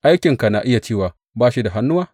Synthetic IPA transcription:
ʔa˦jkʲɪ˨ŋka˨na˨ʔɪ˦ja˨t͡ʃeː˦˨waː˨ | baː˦ʃi˦da˨ɦa˦nːʊ˦waː˦

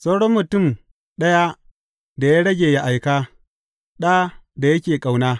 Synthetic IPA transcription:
sʼa˦wɽɔ˦mːʊ˨tʊ˦˨m | ɗɐ˦ja˦ | da˨ja˦ɽɐ˦ɡʲeː˨ja˦ʔa˨jkaː˦ | ɗaː˦da˨jɐ˦kʲeː˨kʼa˨wnaː˦

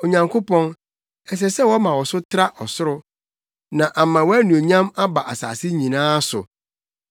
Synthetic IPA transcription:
o˨ɲã˨ŋkʰʊ˦pɔ̃˦n | ɛ˨s̬ɛ˨sɛ˦˨wɔ˦mã˨wɔ˨sʊ˦tʰɪ˦ɾa˦ʔɔ˨sʊ˦ɾʊ˦ | nã˨ʔa˨mã˨wɔ˦æ˦nũ˨o˨ɲã˦ma˦ba˨ʔa˨sa̰ː˨sɪ˦ɲĩ˨nãː˦sʊ̰˨

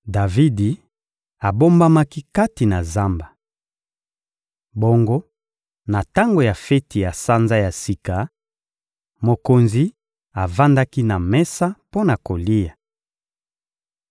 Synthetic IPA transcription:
da˨vi˦di˨ | a˨bo˦mba˦ma˦ki˦ka˦ti˨na˨za˦mba˨ | bo˦ŋɡo˦ | na˨ta˦ŋɡo˨ja˨fɛ˦ti˨ja˨sa˦nza˦ja˨si˨ka˨ | mo˨ko˨nzi˦ | a˨va˦nda˦ki˦na˨mɛ˦sa˦po˦na˨ko˨li˦ja˨

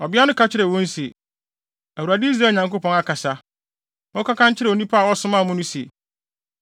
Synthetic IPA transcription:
ɔ˨bɪ˦a˦nʊ̃˦kʰa˦t͡ɕʰɪ˦ɾɛ˨wɔ̃˦n˦se˨ | æ˨wu˨ɾa˨dɪ˦i˦s̬ɾaː˦˨ɲã˨ŋko˦pʰɔ̃˦na˨kʰa˨sa˦ | nɔ̃˦kʰa˦kʰã˦ɲ˦t͡ɕʰɪ˦ɾɛ˨o˨nĩ˦pʰa˦a˨wɔ˦sʊ̃˦mãː˦˨mʊ̃˦nʊ̃˦sḛ˨

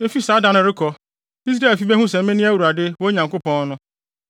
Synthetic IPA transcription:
e˦fi˦saː˨˦dã˦nʊ̃˨˦ɾɪ˦kʰɔ˨ | i˦s̬ɾa˦˨fi˦bɛ˦ɦũ˦sɛ̃˨m̩˦mẽ˦nĩ˦æ˦˨wu˨ɾa˨dɪ˦wo˦ɲã˨ŋko˦pɔ̃˦n˦nʊ̃˦

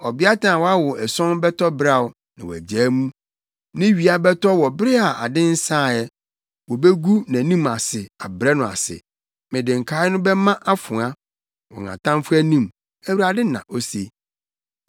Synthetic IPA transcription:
ɔ˨bɪ˦a˦tã˨wɔ˦a˦wɔ˨ɛ˨sɔ̃˦nbɛ˦tʰɔ˦bɾa˦˨wʊ˨ | nã˨wæ̰˨d͡ʑæː˨˦mũ˦ | nɪ̃˦ɥi˨a˨bɛ˦tʰɔ˦wɔ˨bɾɪ˦a˨a̰˨dɪ̃˦n̩˦sãː˦˨jɛ˦ | wɔ˨be˦ɡu˦nã˨nĩ˦ma˨sɪ˨a˨bɾɛ˦nʊ̃˨a̰˨sɪ̰˨ | mɪ̃˨dɪ̃˨ŋ̩˨kʰaː˦ɪ˦nʊ̃˦bɛ˦mã˦ʔa˦fʊ̃˨ã˦ | wɔ̰˨ŋã̰˨tʰã˦mfʊ˦æ˦nĩ˦˨m | æ˦wu˨ɾa˨dɪ˦nã̰˨ʔo˦se˦

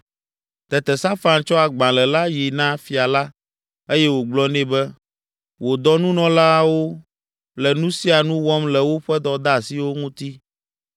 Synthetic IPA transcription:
t̪ɛ˨t̪ɛ˨sa˦fa˦nt͡ʃɔ˦a˨ɡ͡bã˨lɛ˨la˦ji˨nã˦fi˨a˨la˦ | e˦jɛ˦wo˨ɡ͡blɔ˦nɛ̃˦bɛ˦ | wo˨d̪ɔ˦nũ˦nɔ̃˦la˦wo˦ | lɛ˨nũ˦si˦a˨nũ˦wɔ˦mlɛ˨wo˦ɸɛ˦d̪ɔ˨d̪a˦˨si˨wo˦ŋũ˦t̪i˦

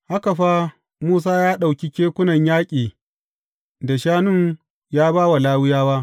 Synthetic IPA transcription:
ha˦ka˨ɸa˦ | muː˦s̬aː˦jaː˦ɗa˨wkʲi˦kʲeː˦kʷʊ˦nɐ˨ɲjaː˦kʲʼiː˨ | da˨ʃaː˦nʊ˦ŋ | jaː˦baː˦wa˨laː˦wɪ˦jaː˦wa˦ʔ

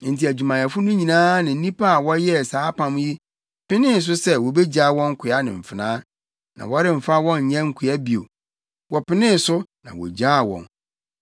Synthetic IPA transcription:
n̩˨ti˨æ˨d͡ʑᶣu˨mã˨a˨fʊ˦nʊ̃˦ɲĩ˨nãː˦nɪ̃˨n̩˦nĩ˦pʰa˦a˨wɔ˦jɛ˦˨saː˨˦pʰã˨m˦ji˦ | pɪ˦nɪ̃˦˨s̬ʊ˦sɛ˦wɔ˨be˦d͡ʑa˦˨wɔ̃˦ŋ˦kʷʰɪ˨a˦nɪ̰̃˨m̩˨fɪ˨nãː˦ | nã̰˨wɔ˦ɾɪ˦m̩˨fa˦wɔ̃˦n˨ɲã˦ŋ̩˦˨kʰʊ˨a˦bi˨o̰˨ | wɔ˨pɪ˦nɪ̃˦˨sʊ˦nã̰˨wɔ̰˨d͡ʑa˦˨wɔ̰̃˨n

